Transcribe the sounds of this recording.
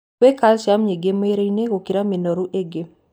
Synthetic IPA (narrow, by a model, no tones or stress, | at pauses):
wekalʃamɲeɡemeɾejneɣokiɾaminɔɾuʔeɡe